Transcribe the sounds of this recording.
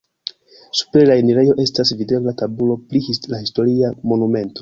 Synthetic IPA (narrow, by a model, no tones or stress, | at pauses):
su̥pɾelaeniɾe̞jo̞ʔe̞stasvide̞blatabulo̞plilahisto̞ɾiamo̞nume̞nto̞̥